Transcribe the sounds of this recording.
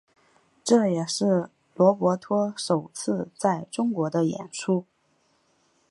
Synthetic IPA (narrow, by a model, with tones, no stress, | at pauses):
ʈ͡ʂɤ˥˩jɛ˨˩ʂɻ̩˥˩ | lwɔ˧˥pwɔ˧˥t̪ʰwɔ˥ʂo˨˩ʊt͡sʰɹ̩˥˧t͡sa˥˩ɪʈ͡ʂʊ˥ŋkwɔ˧˥d̪ə˧jɛ̰˨˩nʂʰu˥